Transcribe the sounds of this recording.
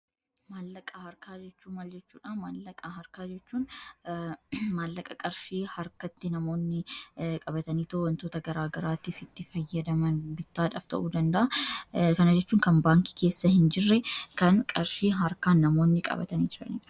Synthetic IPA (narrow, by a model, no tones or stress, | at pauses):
maːlːɐkʼːɐhɐɾkaːd͡ʒɛt͡ʃːuːmɐld͡ʒɛt͡ʃːuːᶑaːmaːlːɐkʼːaɦɐɾkaːd͡ʒɛt͡ʃːuːn | maːlːɐkʼːɐkʼɐɾʃiːhɐɾkɐt̪ːɪnɐmo̞ːnːɪkʼɐbɐt̪ɐniːt̪ɐhwɐnt̪oːt̪ɐɡɐɾaːɡɐɾaːt̪iːfɪt̪ːɪfɐjːɐd̪ɐmɐnbɪt̪ːaːᶑa̰ːft̪ɐ̰ʔuːd̪ɐnd̪ɐʔɐkɐnɐd͡ʒɛt͡ʃːuːŋkɐnbaːŋki̥ke̞ːsːɐhɪnd͡ʒɪrːɛkɐnkʼɐɾʃiːɦɐɾkaːnːɐmo̞ːnːɪkʼɐ̰bɐ̰t̪ɐniːd͡ʒ̪ɪɾɐ̰nḭːᶑɐ̥